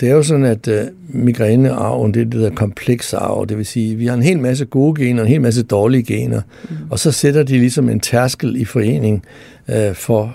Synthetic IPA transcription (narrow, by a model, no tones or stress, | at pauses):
d̥e̝æɐjo̝s̬ɒ̽dn̩æd̥ | miɡ̥ʁɛnəɑ̈ʊ̰n̩d̥ed̥ehe̝ðɐ̰kʰɒ̽mpʰleɡ̥sɑ̰̈ʊ̰d̥e̝ʋe̝siːʋihɑ̈e̝nɦe̝̰ːlmæs̬əɡ̥o̝ːɡ̥e̝̰ːnɐenhe̝ːlmæs̬əd̥ɒːliəɡ̥e̝̰ːnɐ | ɒ̽sɒ̽sed̥ɐd̥ilisɒ̽me̝nt͡sʰæɐsɡ̥l̩ifɒ̽e̝̰ːne̝ŋ | fɒ̽